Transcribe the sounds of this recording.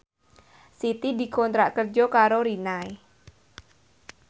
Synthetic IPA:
sit̪id̪i̤kɔnt̪ɾaʔkərd͡ʒɔkaɾoɾinae

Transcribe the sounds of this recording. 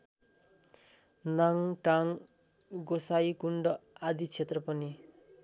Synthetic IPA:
naŋʈaŋ | ɡosajkuɳɖʌad̪it͡sʰet̪rʌpʌni

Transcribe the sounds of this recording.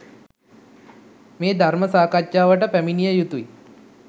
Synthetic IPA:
meːd̪ʱaɾməsaːkat͡ʃjaːʋəʈəpæminijəjut̪ui

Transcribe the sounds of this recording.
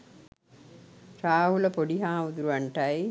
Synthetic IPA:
raːɦuləpoɖiɦaːʋud̪uɾuʋaɳʈɐj

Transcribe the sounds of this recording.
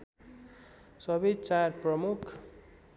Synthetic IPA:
sʌbʌjt͡sarprʌmukʰ

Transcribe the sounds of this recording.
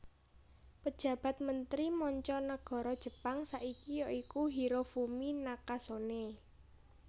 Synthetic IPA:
pəd̥ʒ̥ä̤b̥ä̤t̪̚mənt̪ɾimɔɲt͡ʃɔnaɡ̥ɔ̤ɾɔd̥ʒ̥ə̤paŋsaʔikijɔikuɦiɾofuminakasone

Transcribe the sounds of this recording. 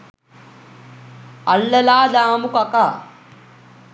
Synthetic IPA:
ɐlːɐlaːd̪aːmukɐkaː

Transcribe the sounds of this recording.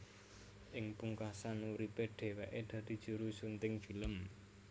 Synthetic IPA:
ʔɪŋpuŋkasanuɾipeɖ̪̥e̤weʔed̪̥ä̤d̪̥i̤d̥ʒ̥ṳɾusunt̪ɪŋfi̤ləm

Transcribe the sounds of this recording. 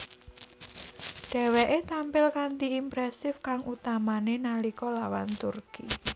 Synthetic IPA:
ɖ̥ɛ̤weʔet̪ampɪlkant̪iimpɾɛsɪfkaŋʔut̪amanenalikɔlawant̪urki

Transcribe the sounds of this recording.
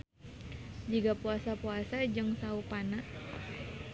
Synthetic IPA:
d͡ʒiɡapuasapuasad͡ʒɨŋsaupana

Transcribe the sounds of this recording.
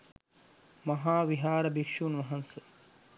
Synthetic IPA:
mɐɦaːʋiɦaːɾɐbikʃuːnʋɐɦɐnsə

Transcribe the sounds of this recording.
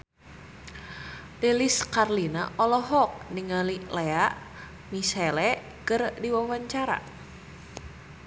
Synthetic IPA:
leliskarlinaʔɔlɔɦɔk̚niŋalileaʔ | misɛlɛ | kərdiwawaɲt͡ʃaɾa̰

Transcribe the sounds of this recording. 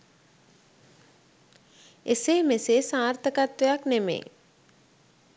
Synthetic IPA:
eseːmeseːsãːɾt̪ʰəkat̪ʋejaknemḛː

